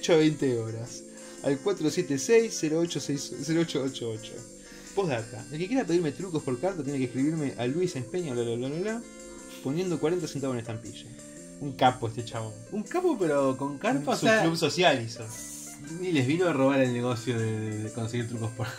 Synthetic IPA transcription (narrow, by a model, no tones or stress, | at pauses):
ot͡ʃoaβejnt̪eo̞ɾas | a̰lkwat̪ɾosjet̪esejseɾoot͡ʃosejsseɾoot͡ʃoot͡ʃoot͡ʃo̰ | poɦðat̪aelkekjeɾap̬e̞ð̞iɾme̞t̪ɾukospo̞ɾkaɾt̪at̪̬jenekehkɾiβiɾmeʔalwisenehpeɲjaolalalalala | po̞nje̞nd̪o̞kwaɾe̞nt̪̬asent̪aβenest̪ampiʃo | uŋkapoest̪et͡ʃaβo | uŋkapopeɾokoŋkaɾt̪oasluβsosjaliso | ileɦβinoaroβaɾelneɣosjoðeðeðeko̞ns̬eɣiɾt̪ɾukospoɾ